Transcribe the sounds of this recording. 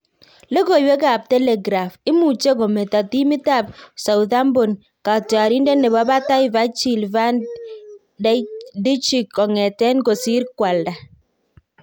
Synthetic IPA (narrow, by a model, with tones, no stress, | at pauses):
le˦ko˨jwe˦ka˨p̚tɛ˦lɛ˨ɡɾa˨fɪ˦mu˨t͡ʃe˦ko˨me˨ta˨ti˦mɪ˦ta˦˨p̚sa˨wða˦mbo˨n | ka˨ta˨ɾi˦nde˦ne˨ba˦ba˦ta˦ɪ˦va˦t͡ʃi˨lva˦n | ddi˦t͡ʃi˨kːɔ˨ŋɛ˨tɛ˦nko˨si˦ɾkwa˨lda˨